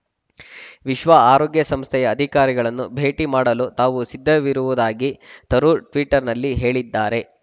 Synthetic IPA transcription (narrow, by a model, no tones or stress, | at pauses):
ʋiʃʋaaːɾoːɡjɐsɐmst̪ʰɛjɐːd̪ʱikaːɾiɡɐɭɐnːubʱe̞ːʈimaːɽɐluːt̪aːʋusid̪ʱːɐʋiɾuʋud̪aːɡit̪ɐɾuʈʋiːʈɐɾnɐlːiɦe̞ːɭid̪ːaːɾe̞